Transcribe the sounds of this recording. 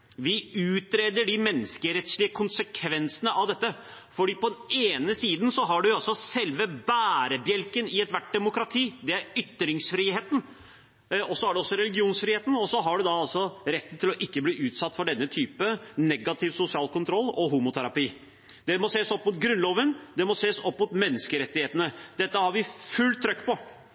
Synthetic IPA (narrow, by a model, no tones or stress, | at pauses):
ʋɪʉːt̪ɾeːd̪əɖɪmɛnːəskəɾɛt̪sɭɪəkʰʊnsəkʰʋɛnsənəʔɑʋd̪ɛt̪ːə | fɔɖiːpʰɔd̪ɛneːnəsiːd̪n̩sɔɦɑɖʉjʊɑlsɔsɛlʋəbæːɾəbjɛlkənɪɛt̪ʋæʈ̚ːd̪ɛmʊkɾɑt̪ʰiːd̪ɛæɾʏt̪ːɾɪŋsfɾiːheːt̪n̩ | ɔsːɔhæɖɛɔsːɔɾɛlɪɡɪuːnsfɾiːheːt̪n̩ɔsɔɦɑɖʉd̪ɑɑlsɔɾɛt̪ːn̩t̪ʰɪlɔʔɪkːəbliːʔʉːt̪sɑt̪ːfɔɖɛnːət̪ʰyːpənɛɡɑt̪ʰɪʋsʊsɪɑːlkʰʊnt̪ʰɾɔlːɔɦuːmʊt̪ʰæɾɑpiː | d̪̥ɛmɔseːsɔpːmʊt̪̚ɡɾʉnloːʋənd̪ɛmɔseːsɔpːmʊt̪mɛnːəskəɾɛt̪ːɪheːt̪ənəd̪̥ɛt̪ːəhɑɾʋɪfʉlt̪ʰːɾœkːpɔ